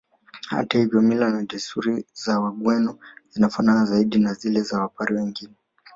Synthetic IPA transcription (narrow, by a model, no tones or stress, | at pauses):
ha̰tahivjɔmilanaʄɛsuɾizawaɠwɛnɔinafananazaiɗinazilɛzawapaɾiwɛŋɡinɛ